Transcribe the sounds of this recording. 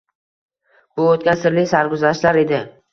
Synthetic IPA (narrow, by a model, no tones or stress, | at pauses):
bʊot̪̚kʲansɪɾlɪjsaɾɡʊzaʃlaɾe̞d̪ɪ